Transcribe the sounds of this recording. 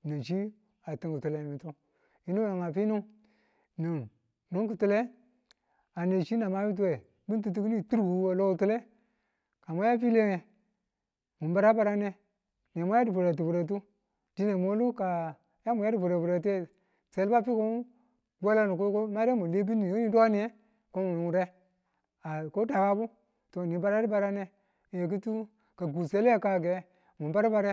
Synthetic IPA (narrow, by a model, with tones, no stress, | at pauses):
nə˨t͡ʃi˦ | a˨ti˦ŋku˨tu˨le˨mi˨tu˦ | i˨˦nu˦a˨ŋa˨fi˦nu˦ŋ | nu˨n | nu˦ŋku˨tu˦le˦ | a˨ne˨t͡ʃi˦na˨ma˦mi˦t̬u˦we˨ | bi˦n˦t̬u˦t̬u˦kni˦˨tu˦ɾbu˨˦wa˨lo˦ku˨tu˦le˦ | ka˨mo˦ja˦fi˦le˦ŋe˨ | mu˨˦ba˨ɾa˦ba˦ɾa˦ne˦ | n˨e˨mo˦ja˦di˨fu˨ɾa˨t̬i˨bu˨ɾa˨t̬u˦ | d̥i˦ne˨mo˦lu˦ka˨ | ja˦mu˨ja˦di˨vu˨ɾe˨vu˨ɾe˨te˦˨ | se˨lba˦fi˦ko˦ | ɡʷa˦la˦nu˨ko˦ko˦ma˦ɾe˦mu˨le˦bi˦ni˨i˦ni˦do˦ni˨e˦ | ko˦mu˨u˨ɾe˦ | a˨ko˦da˨ka˦bu˦ | to˨ni˨˦ba˦ɾa˦di˦ba˨ɾa˦ne˨ | e˨k̬i˦tu˦ | ka˨ɡu˨se˦le˦ka˨ɡe˨˦ | mu˨ba˦ɾa˦ba˦ɾe˦